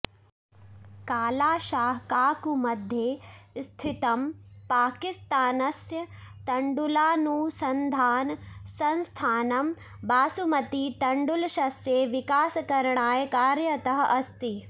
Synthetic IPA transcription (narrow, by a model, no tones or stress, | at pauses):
kaːlaːʃaːɦkaːkumɐd̪ʱjeːst̪ʰit̪ɐmpaːkist̪aːnɐsjɐt̪ɐɳɖulaːnuːsɐnd̪ʱaːnsɐ̃nst̪ʰaːnɐm | baːsumɐt̪it̪ɐɳɖulʃɐsjeʋikaːsɐkɐɾɳaːjkaːɾjɐt̪ɐɦɐʔɐst̪i